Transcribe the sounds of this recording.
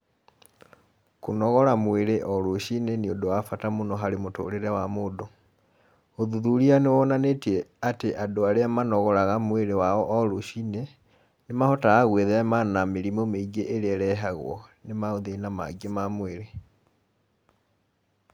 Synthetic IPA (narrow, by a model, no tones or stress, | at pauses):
konɔɣɔɾamweɾeʔɔɾoɕineneodowafatamonɔɦaɾemoto̰ɾeɾɛwamoːdo | oðuðuɾianewɔnanetiɛateʔadoaɾeamanɔɣɔɾaɣamweɾewaɔʔɔɾoɕiːne | nemahɔtaːɣweðɛɛmanameɾimomeiɡeʔeɾeɛɾɛɦaɣwɔ̰nemaoðenama̰ɡemamweɾe